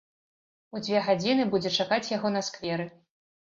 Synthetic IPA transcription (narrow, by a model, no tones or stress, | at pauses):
ud͡zʲvʲɛɣad͡zʲinɨbud͡zʲɛt͡ʂakat͡sʲjaɣɔnɐskvʲɛɾɨ